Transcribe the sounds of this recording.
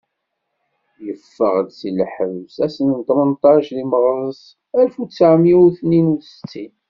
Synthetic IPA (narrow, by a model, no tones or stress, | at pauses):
jəfːəʁd̪silħəvsæsənt̪ˤmənt̪ˤɑʃliməʁɾˤəs | ælfut͡sːaʕmiuθninuθsə̥t͡sːin